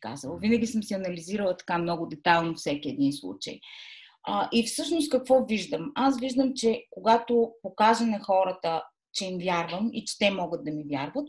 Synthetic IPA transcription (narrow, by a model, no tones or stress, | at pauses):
ka̰zəlˠəvinɐɡʲisəmsiɐnɐliziɾəlˠɐt̪ɐ̥kamnɔɡʊd̪ɛt̪alˠnofsɛkʲiɛd̪inslˠṵt͡ʃə̰j | əʔifsɤʃnʊst̪̚kɐkvɔviʒd̪əmasviʒd̪əmt͡ʃɛkoɡat̪opokazɐnɛxɔɾət̪ə | t͡ʃɛimvʲjaɾvəmḭt͡ʃɛ̥t̪ɛmɔɡəd̪̚d̪ɐmivʲjaɾvət̪̚